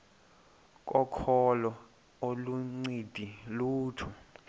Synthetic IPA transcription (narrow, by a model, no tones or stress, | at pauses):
k̬ʼɔkʰɔlɔ | oluŋ͡ǀid̥ʱiluːtʰu